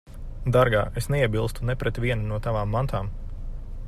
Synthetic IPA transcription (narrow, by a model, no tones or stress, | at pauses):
d̪aɾɡa̰ːʔesneiɛbilˠst̪unɛpɾɛt̪ʋʲiɛnunuɔt̪aʋaːmːant̪ʰaːm